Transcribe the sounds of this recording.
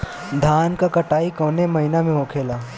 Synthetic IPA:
d̪ʱaːnkakəʈaːikoːnemɐɦinamẽɦokʰeːlaː

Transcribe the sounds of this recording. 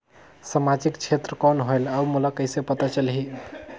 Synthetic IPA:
səmad͡ʒikt͡ʃʰet̪ɾəkɔnɦolaumulakəjsepət̪at͡ʃəlɦi

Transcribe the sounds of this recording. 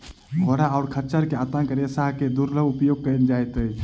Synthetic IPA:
ɦoːɾaaʊɾkʰəɾt͡ʃəɾkeat̪ãkəɾesaɦked̪uɾləbupjoːɡ̚kəɾnd͡ʒaːjt̪əi

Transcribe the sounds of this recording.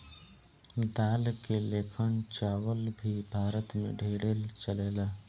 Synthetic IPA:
d̪aːlkeleːkʰənt͡ʃaːwəlbʱibʱaːɾət̪mḛ̃ɖʱeːɽelt͡ʃəleːlaː

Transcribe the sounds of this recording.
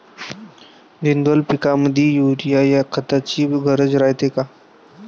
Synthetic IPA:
d̪ind̪əlpikaməd̪ʱjijuɾijajakʰət̪at͡ɕiːɡʱəɾəd͡zɾajt̪eka

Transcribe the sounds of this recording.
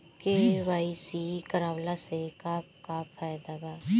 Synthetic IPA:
keʋaːisikəɾaːwlasekapkapʰaːjd̪abaː

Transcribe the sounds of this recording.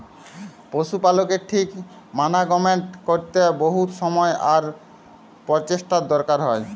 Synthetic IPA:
poʃupalokeɾʈʰik | manaɡɔmeɳʈkoɾt̪eboɦut̪ʃɔmɔeaɾ | pɔɾt͡ɕeʃʈad̪ɔɾkaɾɦɔe

